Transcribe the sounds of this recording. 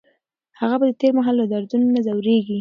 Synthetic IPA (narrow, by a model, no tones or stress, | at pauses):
haɣabad̪ət̪eɾmaɦɑlːad̪aɾd̪unonazawɾeɡi